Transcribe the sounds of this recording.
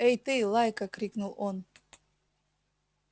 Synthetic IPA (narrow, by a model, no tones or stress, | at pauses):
ejt̪ɨlˠajkɐkɾʲiknulˠon